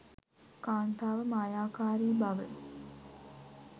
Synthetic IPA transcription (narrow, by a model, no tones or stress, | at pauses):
kaːnt̪aːʋəmajaːkaːɾiːbɐʋəɭ